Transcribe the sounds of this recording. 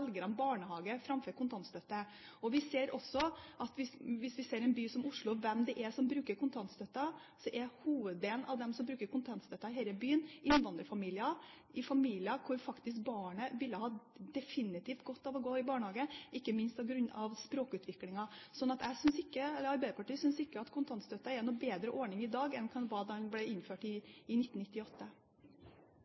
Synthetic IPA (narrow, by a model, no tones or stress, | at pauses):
lɡəɾɑnbɑːɳəhɑːɡəfɾɑmfœːɾkʊnt̪ɑnt̪st̪œt̪ːə | ɔʋɪseːɾʔɔsɔʔɑt̪ʋɪsʋɪsʋɪseːɾɛnbyːsɔmʊʂɭʊʋɛmd̪ɛʔæsɔmbɾʉːkəɾkʰʊnt̪ʰɑnt̪st̪œt̪ːɑ | sɔʔɛhuːʋəd̪̚d̪eːln̩ʔɑʋd̪ɛmsɔmbɾʉːkəɾkʊnt̪ʰɑnt̪st̪œt̪ːɑɪɦɛɪləbyːənʔɪnːʋɑnd̪ɾəfɑmiːlɪɑ | ɪfɑmiːlɪəkʰʊɾfɑkt̪ɪs̬k̚bɑːɳəʋɪlːəhɑːd̪ɛfɪnɪt̪iːft̪̚ɡɔt̪ːɑʋɔɡoːɪbɑːɳəhɑːɡəʔɪkːəmɪnst̪ɔɡɾʉnːɑʋspɾoːkʉːt̪ʰʋɪklɪŋɑsɔnɑt̪æɪsʏnsɪkːəɛlːəɾɑɾbæɪd̪əpʰɑʈiːsʏnsɪkːəɑt̪kʰʊnt̪ʰɑnst̪œt̪ːɑɛɾnɔbeːd̪ɾəʔɔɳɪŋɪd̪ɑːɡɛnkʰɑnʋɑːd̪ɛnblɛɪnføːʈɪɪnɪt̪ːn̩ɪt̪ːɪɔt̪ːə